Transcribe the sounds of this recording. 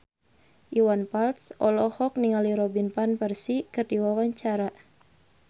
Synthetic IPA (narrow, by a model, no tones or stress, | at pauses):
ʔiwanpalt̪sʔɔlɔhɔkniŋaliɾɔbinpanpərsikɨrdiwawaɲt͡ʃaɾa